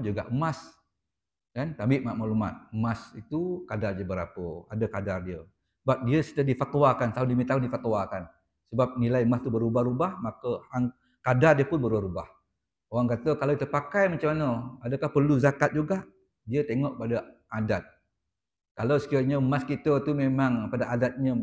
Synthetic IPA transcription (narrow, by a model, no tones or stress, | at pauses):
d͡ʒuɡa̰ʔəmas | kant̪abɪʔmaʔmaʔluma̰t̪̚əmasit̪ukadardd͡ʒiəbəɾa̰pəadəkadardiə | əbap̚diəsidahdifat̪uwakant̪aɦundimit̪aɦundifat̪wakan | səbap̚nilajəmast̪ubəɾubahɾubahmakəhaŋ | kadardiəpʊnbəɾaɾuba̰h | oɣaŋkat̪əkalawt̪əpakajmat͡ʃamanəadəkahpərluzakat̪̚d͡ʒuɡaʔ | diət̪eŋɔʔpadəʔadat̪̚ | kalawsə̥kiaɲəmaskit̪ət̪umemaŋpadaʔadat̪̚ɲə